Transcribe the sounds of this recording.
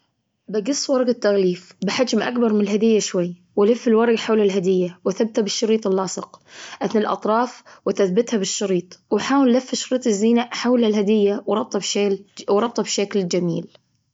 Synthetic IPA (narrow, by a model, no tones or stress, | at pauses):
baɡɨsˤːwɑɾˤɑɡɪt̪ːaɣliːfbɪħad͡ʒmʔa̰kbɑɾˤmɪnɪlɦad̪ɪjːaʃwajː | wɪlɪfːɪlwɑɾˤɑɡħawlalɦad̪ɪjːawaθabːɪt̪habɪʃːɑɾiːt̪ˤɪlːɑːsˤɨqʔaθnɪlʔɑ̰t̪ˤɾˤɑːfwɪθaθbɪt̪habɪʃːɑɾiːt̪ˤwħaːwɪlːɪfːɪʃɑɾiːt̪ˤɪzːiːnaʔħawlalɦad̪ɪjːawɾˤɑb̚t̪ˤɑbʃawɾˤɑb̚t̪ˤɑbʃakld͡ʒamḭːl